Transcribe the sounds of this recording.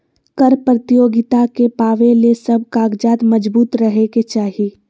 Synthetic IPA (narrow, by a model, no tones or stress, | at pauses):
kəɾpɾət̪ɪjoːɡɪt̪akepaːʋelesɐb̚ʱkaːɡd͡ʒaːt̪mɐd͡ʒbuːt̪ɾɐɦeket͡ʃaːɦi